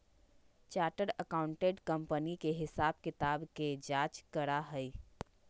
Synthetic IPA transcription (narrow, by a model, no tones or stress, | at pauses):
t͡ʃaːʈəɾəkaːʊ̃ɳʈeɖkɐ̃mpənikeɦɪsaːb̚kɪt̪aːbked͡ʒaːt͡ʃkəɾaɦəi